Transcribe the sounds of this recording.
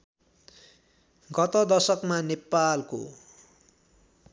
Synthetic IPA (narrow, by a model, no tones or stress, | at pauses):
ɡʌt̪ʌd̪ʌrsʌkmanepalko̰